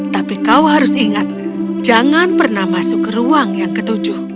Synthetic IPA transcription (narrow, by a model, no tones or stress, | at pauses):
t̪apikauɦaɾʊsiŋat̪̚ | d͡ʒaŋanpərnahmasʊkɾuaŋjaŋkət̪ud͡ʒʊh